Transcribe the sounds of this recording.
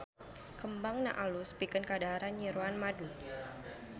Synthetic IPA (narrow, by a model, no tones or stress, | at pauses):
kəmbaŋna̰ʔaluspikənkadaɾanɲiɾuanmadu